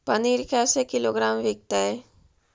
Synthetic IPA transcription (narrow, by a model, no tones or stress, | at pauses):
pɐniːɾkʰaːsekɪloːɡɾaːmʋɪk̚t̪aɦɛ